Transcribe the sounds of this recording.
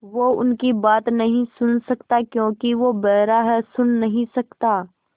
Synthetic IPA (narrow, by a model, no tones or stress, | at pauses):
ʋoʊnkibaːt̪nɐɦĩsʊnsɐkt̪akjõːkiʋobɛɦɾaɦɛsʊnːɐɦĩsɐkt̪aː